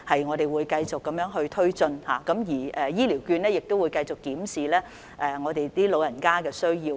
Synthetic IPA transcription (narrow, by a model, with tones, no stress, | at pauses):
hɐ˨jŋɔː˨˧ɾe˨˩jwuː˨˧jkɐ˧jt͡sʊ˨kːɐ˨˥mjœː˨˥ŋɦɵ˧ɥt̪ʰɵ˥ɥt͡sɵ˧nha̰ː˨˩kɐ˨˥mjiː˨˩ʔɛː˨jiː˥li˨˩wkyː˧nlɛː˥jɪ˨k̚t̪o˥wu˨˧jkɐ˧jt͡sʊ˨kːiː˨˥msiː˨lɛː˥ | ʔɛː˨ŋɔː˨˧t̪e˨jt̪iː˥lo˨˧wjɐ˨˩nkaː˥kɛː˧sɵ˥ɥjiː˧w